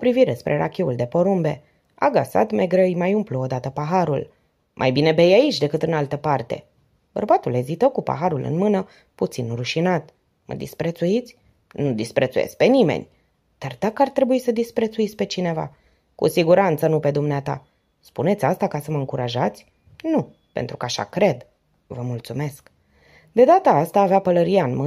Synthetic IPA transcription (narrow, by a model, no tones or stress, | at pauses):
opɾiviɾe̞spɾʔe̞ɾa̰kʲeuld̪e̞po̞ɾumbe̞ | a̰ɡasa̰t̪me̞ɡɾəjmajumpluod̪at̪əpaɦaɾṵl | mʔa̰jbine̞be̞jait͡ʃʲd̪e̞kɨt̪ɨnalt̪əpart̪e̞̰ | b̥ə̰rbat̪ule̞zit̪əwkupa̰ɦaɾulɨ̰nmɨnə | put̪sinruʃinat̪ | mə̰d̪ispɾet̪suit̪sʲ | nud̪ispɾʔet̪sujḛskpe̞nimḛnʲ | d̪̥ard̪̥akəart̪ɾe̞buisəd̪ispɾe̞t̪suit̪sʲpe̞t͡ʃine̞va̰ | kṵsiɡuɾant̪sənupe̞d̪umneat̪a̰ | spune̞t̪sʲast̪akasəməɨŋkuɾʔaʒat̪sʲ | nu | pe̞nt̪ɾukəaʃa̰kɾe̞d̪ | vəmult̪sume̞sk | d̪e̞d̪at̪əast̪aːveapələɾiaɨnmɨ